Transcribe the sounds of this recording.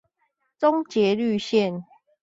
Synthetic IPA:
t͡so˦ŋt͡ɕjɛ˨˦ly˥˧˨ɕjɛ˥˨n

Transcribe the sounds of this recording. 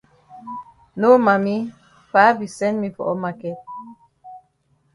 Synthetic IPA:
no˦ma˨mi˦ | pa˨˦bi˨sɛ˦nmi˦pɔ̰˨ʔɔ˦ma˨kɛ˦t̚

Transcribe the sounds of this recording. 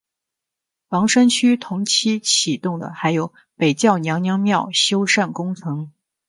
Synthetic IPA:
wɑ˧˥ŋʂə˥nt͡ɕʰy˥t̪ʰʊ˧˥ŋt͡ɕʰi˥t͡ɕʰi˨˩t̪ʊ˥˩ŋd̪ə̰˩xa˧˥ɪjo˨˩˥ʊ | pe˨˩ɪt͡ɕjɑ˥˩ʊnjɑ˧˥ŋnjɑ˧˥ŋmjɑ˥˩ʊɕjo˥ʊʂa˥˩nkʊ˥ŋt͡sʰɤ˧˥ŋ

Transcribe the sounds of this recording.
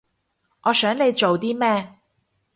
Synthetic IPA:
ŋɔː˨˧sœː˨˥ŋle˨˧jt͡ʃo˨wt̪iː˥mɛː˥

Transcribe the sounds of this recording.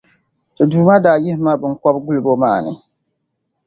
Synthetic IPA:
tɨ˨duː˨ma˦daː˨ji˦hɪ˦ma˦bɨ˦ŋ˦kɔ˦b̚ɡu˦lɨ˨bo˦maː˦˨nɨ˨

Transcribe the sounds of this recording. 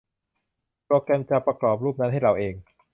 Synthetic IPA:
pɾoː˧kɾɛː˧mt͡ɕa˨˧pɾa˧klɔː˨˩p̚ɾuː˥˩p̚na˦˥nɦa˥˩jɾa˧wʔeː˧ŋ

